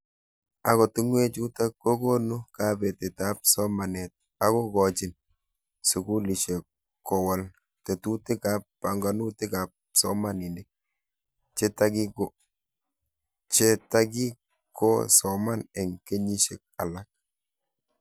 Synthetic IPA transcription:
a˨kɔ˨tu˦ŋwe˦t͡ʃu˦ta˦kːo˦ko˦nu˦ka˦be˨te˨ta˦p̚sɔ˦ma˨nɛ˨t̚ | a˦kɔ˦kɔ˨t͡ʃi˨n | su˨ku˦li˨ʃe˨k | kːɔ˨wa˨l | te˨tu˦te˦ka˦pːa˨ŋɡa˨nu˦tɪ˦ka˨p̚sɔ˦ma˦ni˨nde˦k̚ | t͡ʃe˦ta˦ki˦ko˦ | t͡ʃe˦ta˦ki˦ | kːɔ̰˦sɔ˨ma˦nɛ˨ŋke˦ɲi˦ʃe˨k̚a˨la˦k̚

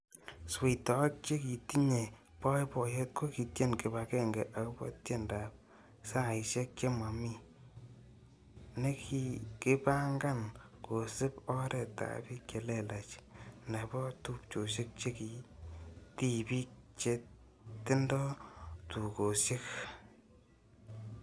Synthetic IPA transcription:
swi˨tɔ˨˦k̚t͡ʃe˦ki˨ti˦ɲe˨ | pɔ˦jpɔ˨je˦t̚ko˦ki˨tje˦nkɪ˨ba˨kɛ˦ŋɡɛ˨ʔa˨kʊ˦bɔ̰˦tje˦nda˨p̚ | sa˦˨iʃe˦k̚t͡ʃe˦ma˨mi˦ | ne˦ki˨kɪ˦pa˦ŋɡa˦n | ko˨sɪ˦pɔ˦ɾʔɛ˨ta̰˨bi˦kje˨lɛ˦la˨t͡ʃne˨bɔ˦tu˦p̚t͡ʃo˨ʃe˦k̚t͡ʃe˦ki˨ | ti˨bi˦k̚t͡ʃe˦ | tɪ˦ndɔ˦tu˨ko˨se˦k

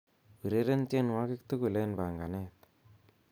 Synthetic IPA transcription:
pi˨ɾe˦ɾe˦nt͡ʃe˦nwa˦kɪ˦kt̪u˦ku˨le˦nba˨ŋɡa˨nɛ˦˨t̪̚

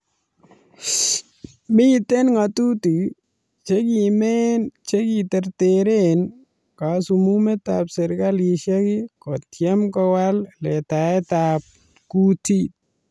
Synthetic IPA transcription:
mi˦te˦nŋa˨tu˦ti˨ | t͡ʃeki˨me˦nt͡ʃe˦ki˨te˨ɾteɾen | ka˨sumume˦t̪apse˨ɾkali˨ʃaki˦kɔtjɛ˦mkɔwallɛ˨ta˨ɛtap̚ | ku˦ti˦t̚

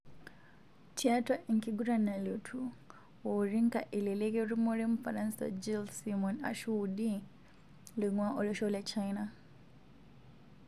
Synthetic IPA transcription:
tʰia˦ta˦ʔi˨ŋki˦ɡu˦ɾa˨na˨lotʰu | woɾi˦ŋka˨ʔi˨le˨le˦ke˦ɾumo˦ɾe˦mufa˨nanssa̰d͡ʒilsimo˨na̰˨ʃu˦udi | li˨ŋwa˦ʔo˨loʃo˦let͡ʃaina

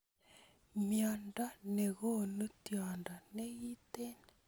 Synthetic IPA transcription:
mja˨nda˦nɛ˨ɣo˦nu˦tjɔ˨nda˨nɛ˦ɣi˦te˦n

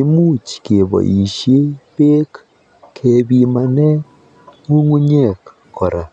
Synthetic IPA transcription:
i˨˦mu˦t͡ʃke˨βɔ̰˨ʔi˨ʃe˦pe˦k | kʰe˨βi˨ma˨nɛ˦ | ŋu˦ŋu˦ɲe˦˨k | kːɔ˨ɾa˨

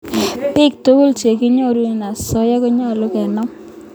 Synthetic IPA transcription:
pɪ˦k̚to˦ɡo˦lt͡ʃe˨ki˦ɲɔ˦ɾu˦˨na˨sɔ˦ja˦ke˦ɲɔ˦˨lʊ˦kɛ˨nɔ˦m

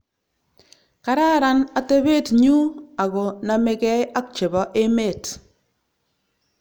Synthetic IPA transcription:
ka˨ɾa˦ɾa˦na˨te˦βe˦tɲu˦a˨ɣɔ˨na˨mɪ˦kɛ˦ja˦k̚t͡ʃe˨bɔ˦ʔe˦me˦˨t

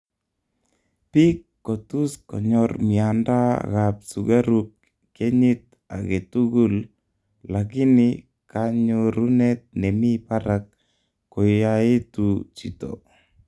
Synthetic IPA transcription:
pi˦kːo˨tu˦skɔ̰˨ɲɔɾmi˨anda̰˦ɣap̚suɡaɾukː | e˦ɲi˦t̚ | a̰˨ke˨tu˦ɡu˦l | lak̬ɪ˦nɪ | kaɲoɾune˦t̪̚ne˨mi˦paɾakː | o˨jai˦tut͡ʃi˨to̰˨

